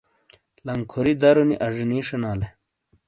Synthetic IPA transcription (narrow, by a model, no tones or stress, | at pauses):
lɐŋkʰoɾid̪ɐɾunḭʔɐʐiniːʂɐnaːle